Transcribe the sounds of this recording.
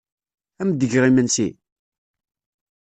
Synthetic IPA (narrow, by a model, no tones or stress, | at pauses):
æmd̪əʝʁimənsi